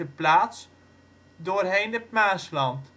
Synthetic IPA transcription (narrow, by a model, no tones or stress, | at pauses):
əplaːts | doːrɦeːndəp̚maːslɑnt